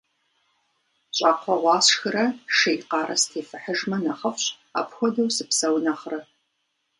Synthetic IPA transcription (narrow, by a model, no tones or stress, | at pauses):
ɕʼaːqʷʰɔʁʷɑːɕxɨrɐʂejqɑːɾʔɐ̰stʰeːfɨħəʒmɐnɐχɐfɕʼ | a̰ːpxʷɔdɐwsɨpsɐwnɐχrɐ